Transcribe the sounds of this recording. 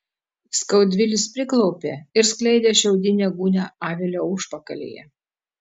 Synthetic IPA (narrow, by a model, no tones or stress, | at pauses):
skɐʊd̪ʲʋʲɪlʲɪspʲɾʲɪklˠɒʊpʲḛːɪɾsklʲɛɪd̪ʲeːʃʲɛʊd̪ʲɪnʲɛːɡuːnʲɛɑːʋʲelʲoːʊʃpɐkɐlʲḛːjɛ̰